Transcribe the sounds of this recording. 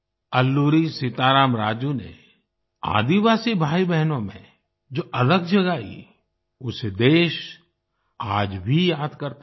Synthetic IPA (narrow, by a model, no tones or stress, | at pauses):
ɐlːuːɾisɪt̪aːɾaːmɾaːd͡ʒunḛ | a̰ːd̪iʋaːsibʱaːibɛɦnõmḛ̃ | d͡ʒoːʔɐləɡd͡ʒɐɡaːḭ | ʊsed̪eːʃ | aːd͡ʒbʱijaːd̪kɐɾt̪